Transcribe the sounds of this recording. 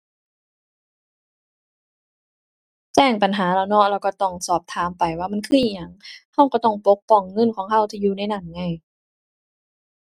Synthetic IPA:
t͡ɕɛː˧˩ŋpa˨˩nɦaː˩˦laː˧˩wnɔ˧˥˨lɛː˧˩wka˧˩t̪ɔ˧˩ŋsɔː˨˩p̚t̪ʰaː˨˦mpa˨˩jwaː˧˩ma˧˥˨nkʰɯː˧˩ʔiː˧˩ɲa˨˩ŋha˧˩wkɔ˧˩t̪ɔ˧˩ŋpo˧˦˥k̚pɔ˧˩ŋːɤ˧˥˨nkʰɔː˨˦ŋɦa˧˩wt̪ʰiː˧˨juː˧˨na˧˥˩jna˧˩nŋa˧˩j

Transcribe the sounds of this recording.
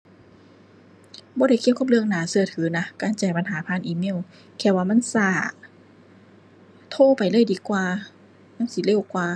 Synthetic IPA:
bɔː˧˦ɾa˧˩kʰi˧˨wkʰa˧˥˩plɯ˧əŋnaː˨˦sɯ˧˩ət̪ʰɯː˨˦na˧kaː˨˧˩nt͡ɕaː˨˩jpa˧˨nɦaː˨˦pʰaː˧˥˨nʔiː˧˨me˧˥˨w | kʰɛː˧˩waː˧ma˧˥˨nsaː˧˩ | t̪ʰoː˧˥˨pa˨˩jlɤː˧˥˨jdiː˨˦kwaː˧ | naː˧˥˨msi˧˦le˧˩wkwaː˧

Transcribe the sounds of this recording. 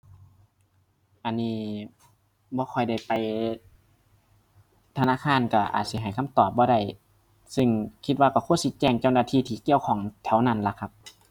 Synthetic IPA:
ʔa˧nːiː˧ | bɔː˧˦kʰɔ˧˩jda˧˩jpa˨j | t̪ʰa˧naː˧˥˨kʰaː˧˥˨nka˧˩ʔa̰ː˨˩t̪̚si˧˦ɦa˨˩jkʰa˧˥˨mt̪ɔː˨˩p̚bɔː˧˦ɾa˧˩j | sɯ˧˩ŋkʰi˧t̪̚waː˧ka˧˩kʰu˧˥ə˨nsi˧˦t͡ɕɛː˧˩ŋt͡ɕa˧˩wnaː˧˩t̪ʰiː˧˨t̪ʰiː˧˩ki˧˨əwkʰɔː˨˩˦ŋt̪ʰɛ˨˦wna˧˩˨nla˧˦kʰa˧p̚

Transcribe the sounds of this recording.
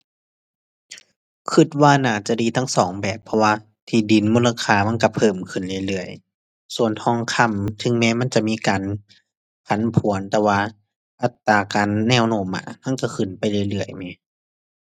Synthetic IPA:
kʰɯ˧˩t̪̚waː˧˨naː˧˩t͡ɕa˧˨diː˧t̪ʰa˧˥˨ŋsɔː˨˩˦ŋbɛː˨˩pʰːɔ˧waː˧ | t̪ʰiː˧˩di˨˦nmuː˧˥˨la˧kʰaː˧˩ma˧˥˨nka˧˩pʰɤː˧˩mkʰɯ˧˩nlɯ˧˩˨lɯ˧˩əj | su˧˨ənt̪ʰɔː˧˥˨ŋkʰa˧˥˨mt̪ʰɯ˧˨ŋmɛː˧˥˨ma˧˥˨nt͡ɕa˧˨miː˧˥˨kaː˨n | pʰa˨˦npʰu˨˩˦ə˦nt̪ɛː˧waː˧ | ʔa˧˦t̪ːaː˨˩kaː˨nːɛː˧˨wnoː˧˩˨mːa̰ː˧˩ma˧˥˨nka˧˩kʰɯ˧˩npa˨jlɯ˧˩˧jlɯ˧˩əjmaː˧˦

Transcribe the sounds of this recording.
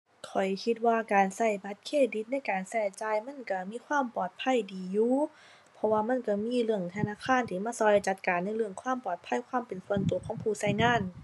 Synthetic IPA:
kʰɔ˨˩jkʰi˧˥t̪̚waː˧˨kaː˨˩nsa˧˩jba˧˥t̪̚kʰeː˧˥˩di˧˦t̪̚na˧˥˨jkaː˨˩nsɛ˧˩t͡ɕaː˧˩jma˧˥˨nka˧˩miː˧˥˨kʰwaː˧˥˨mpɔː˨˩t̪̚pʰa˧˥˨jdiː˨˦juː˧˦ | pʰɔ˧waː˧ma˧˥˨nka˧˩miː˧˥˨lɯ˧˩əŋt̪ʰa˧naː˧˥˨kʰaː˧˥˨nt̪ʰiː˧˩maː˧˥˨sɔː˧˦lt͡ɕa˧t̪̚kaː˨nːa˧˥˨jlɯ˧˩əŋkʰwaː˧˥˨mpɔː˨˩t̪̚pʰa˧˥˨jkʰwaː˧˥˨mpe˨˩nsu˧˦ənt̪u˨əkʰɔː˧˥ŋpʰuː˧˩sa˧˩jŋaː˧˥˨n

